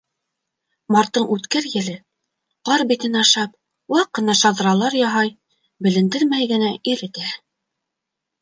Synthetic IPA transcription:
mɑɾt̪ːɤɴʉt̪kæɾjɘ̆lɘ | qɑɾbit̪ɘnɑʃɑp̚ | wɑqːɤ̆nɑʃɑðɤ̆ɾɑlˠɑɾjɑɦɑj | bɘ̆lɘ̆nd̪ɘɾmæjɡɘ̆næiɾɘ̆t̪æ

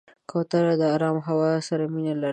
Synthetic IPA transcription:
kʰot̪aɾad̪əaɾɑmɦawɑsaɾaminala

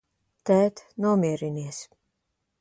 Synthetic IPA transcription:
t̪æːt̪nuɔmiɛɾiniɛs

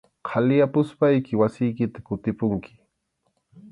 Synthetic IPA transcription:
qʰalɪjapʊspajkɪwasɪjkɪt̪ḁkʊt̪ɪpʊŋkɪ̥

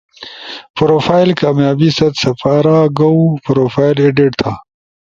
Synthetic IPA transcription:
pɾoːfaːjlkaːmjaːbisɐt̪sɐfaːɾaːɡɐupɾoːfaːjleɖiʈt̪ʰa

